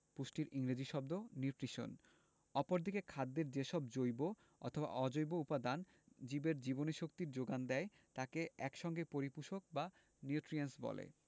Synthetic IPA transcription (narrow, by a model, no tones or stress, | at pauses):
puʃʈiɾiŋɾed͡ʑiʃɔb̚d̪oniʈɾiʃo̰n | ɔpoɾd̪ikekʰad̪ːeɾd͡ʑeʃɔb̚d͡ʑojbo | ɔ̰t̪ʰoba̰ʔɔd͡ʑojboupad̪an | d͡ʑibeɾd͡ʑiboneʃok̚t̪iɾd͡ʑoɡand̪ɛe | t̪akeɛkʃɔŋɡepoɾipuʃok̚ba | niuʈɾiensbɔ̰lḛ